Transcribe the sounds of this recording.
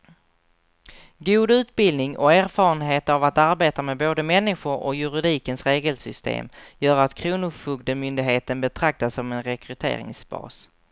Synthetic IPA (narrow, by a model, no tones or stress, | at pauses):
ɡuːd̪ʉ̟ːt̪̚bɪld̪nɪŋɔ̰æːɾfɑːɾənɦeːt̪avat̪aɾbeːt̪amɛboːd̪əmɛnːɪɧʊɾɔ̰jɵɾɪd̪iːkənsɾeːɡəlsʏst̪ḛːmjœːɾat̪kʰɾuːnʊfɵɡ̚d̪əmʏnd̪ɪɡɦeːt̪ənbɛt̪ʰɾak̚t̪asɔmɛnɾɛkʰɾɵt̪ʰḛːɾɪ̰ŋsbɑ̰ːs